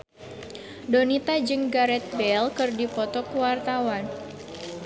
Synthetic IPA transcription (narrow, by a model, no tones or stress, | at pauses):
donit̪ad͡ʒɨŋɡaɾɛt̪̚bɛlkɨrdipɔt̪ɔkuwart̪awan